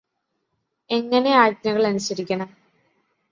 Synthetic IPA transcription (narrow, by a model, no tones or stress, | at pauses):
e̞ŋːɐne̞aːdnɐɣɐɭɐnusɐɾikʲːɐɳɐm